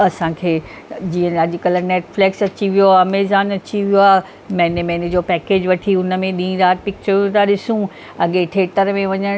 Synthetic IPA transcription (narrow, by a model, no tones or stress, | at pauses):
ɐsãːkʰeː | d͡ʑiːə̃ɐʄkəlneːʈfleksɐt͡ɕiʋijoameːzaːnɐt͡ɕiʋijoaːɦ | mɐ̃ɦɪ̃nemɐ̃ɦned͡ʑoːpɛːkeːd͡ʑʋɐʈʰiʊnəmẽɗĩĩd̪aːɾ̚pɪk̚t͡ɕəɾũt̪ʰaɗɪsũ | ɐɠeʈʰeːʈəɾmẽʋɐɲəɽ̃